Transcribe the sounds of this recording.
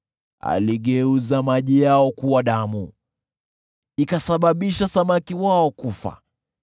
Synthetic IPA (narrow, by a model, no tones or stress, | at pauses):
a̰liɠɛuzamaʄijaɔkuwaɗamu | ikasaɓaɓiʃasamakiwaɔkufa̰